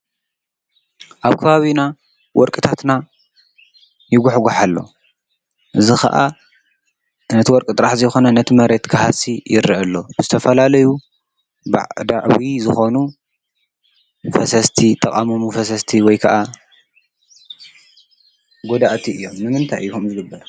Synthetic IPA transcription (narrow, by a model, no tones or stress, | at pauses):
ʔaβkʰɐβaβina | wɔɾkʼɨt̪ʰat̪na | jɪɡʷuħɡuħalːo̞̰ | ʔɨzixɐ̰ʔa̰ | nɐt̪ʰiwɔɾkʼɨt̪ʼɾaħzɐjxo̞nɐnɐt̪ʰimɐɾe̞t̪kʰɨhasijɪɾɨʔɨlːo̞b̥ɨzɨt̪ʰɐfɐlalɐju | ba̰ʕd̪aʕβizɨxo̞nu | fɐsɐst̪ʰit̪ʼɐkʼamomufɐsɐst̪ʰiwɔjkʰɐʔa | ɡod̪aʔt̪ʰiɨjːo̞mnɨmɨnt̪ʰa̰jukʰɐmzɨɡɨbːɐɾ